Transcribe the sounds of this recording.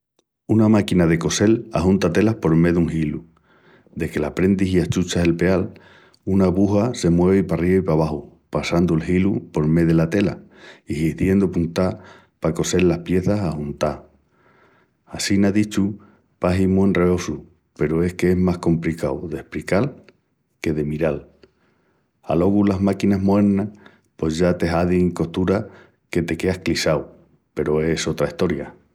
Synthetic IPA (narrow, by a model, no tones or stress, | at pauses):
unamakinaðe̞ko̞se̞laɦunt̪at̪e̞lahpo̞ɾme̞ðuŋhilu | d̪e̞ke̞lapɾe̞nd̪iɦiaht͡ʃut͡ʃaɦe̞lpe̞al | unaβuɦase̞mwe̞β̞ipariaipaβ̞ahu | pasand̪uelɦilupo̞ɾme̞ðe̞lat̪e̞la̰ihihðje̞nd̪opunt̪a | pako̞se̞lːahpje̞θasahunt̪a | asinaðit͡ʃu | paɦimuenre̞o̞su | pe̞ɾoe̞skeeɦmasko̞mplikawðe̞hpɾikal | ke̞ðe̞miɾal | a̰lo̞ɣulaɦmakinaɦmoe̞ɾna | po̞zʝat̪e̞ɦaðiŋko̞ht̪uɾa | ke̞t̪e̞ke̞ahklisaw | pe̞ɾo̞e̞so̞t̪ɾaiht̪o̞ɾja